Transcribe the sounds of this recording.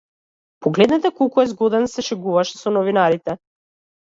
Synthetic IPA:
pɔɡlɛd̪nɛt̪ɛkɔlˠkuɛzɡɔd̪ɛnsɛʃɛɡuvaʃɛ̥sɔnɔvinaɾit̪ɛ

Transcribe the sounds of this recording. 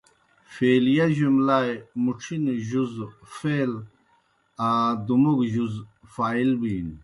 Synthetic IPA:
feːlijaʑumlaːjmuʈ͡ʂʰinʑuzfel | ad̪umuɡʑuzfaːilbiːn

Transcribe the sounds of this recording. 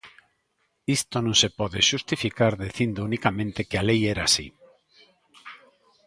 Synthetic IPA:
ist̪onõŋsepɔðeʃust̪ifikaɾðiθind̪ounikamẽnt̪ekalejɛɾasḭ

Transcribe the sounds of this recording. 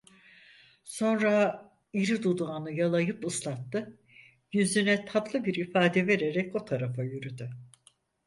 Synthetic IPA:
so̞nɾa | iɾid̪ud̪uanɯjalˠajɯpɯslˠat̪ːɯ | jyzynɛt̪ʰat̪lˠɯbiɾifaːd̪ɛve̞ɾeɾɛcot̪ʰaɾafajyɾyd̪y

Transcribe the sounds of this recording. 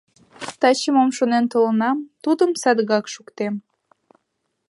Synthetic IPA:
t̪ɑt͡ɕəmomʃonent̪olənɑmt̪ud̪əmsɑd̪ɣɑkʃukt̪em

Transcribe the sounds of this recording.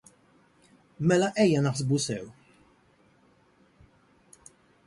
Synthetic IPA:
mɛlɐʔɛjːɐnɐħsbusɛw

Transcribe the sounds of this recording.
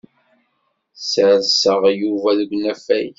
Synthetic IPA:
səɾzsəʁjuvæðɡʷnæfæj

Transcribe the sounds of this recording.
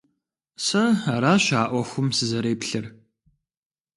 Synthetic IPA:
sɐaːɾaːɕaːʔʷɔxʷʊmsɨzɐɾeːpɬɨr

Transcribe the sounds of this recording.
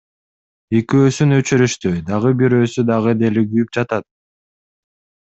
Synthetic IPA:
ekøːsynøt͡ʃyɾyʃt̪yd̪ɑʁɯbiɾøːsyd̪ɑʁɯd̪eliɡyjyp̚d͡ʒɑt̪ɑt̪̚

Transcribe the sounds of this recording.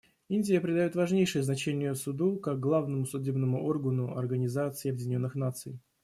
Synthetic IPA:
inʲdʲɪjəpɾʲɪd̪ɐjo̞t̪vɐʐnʲejʂəjəznɐt͡ɕenʲɪjəsʊd̪ukak̚ɡlˠavnəmʊsʊdʲebnəmʊʔo̞rɡənʊɐrɡənʲɪzat̪sɨːɐbʲɪdʲɪnʲo̞nːɨxnat̪sɨ̰j

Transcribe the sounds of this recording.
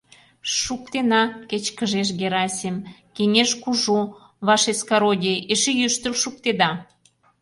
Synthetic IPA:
ʃukt̪enɑket͡ɕkə̆ʒeʃ̬ɡeɾɑsʲemkenʲeʃkuʒo | βɑʃeskɑɾodʲeeʃejyʃt̪əlʃuk̚t̪ed̪ɑ

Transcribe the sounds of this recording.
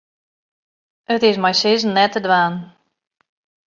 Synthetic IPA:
ʔətɪsmajsɪzən̩ːɛtədʋaːn

